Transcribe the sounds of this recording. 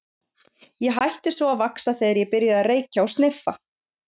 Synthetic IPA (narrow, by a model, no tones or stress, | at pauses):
jɛɦajht̪ɪsvɔavaksaθejðaɾjɛpɪɾjaðareːjcaɔɣst̪nɪfːa